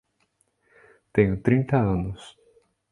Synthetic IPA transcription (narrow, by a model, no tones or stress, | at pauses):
t̪ẽɲʊt̪ɾĩnt̪ɐɐ̃nʊs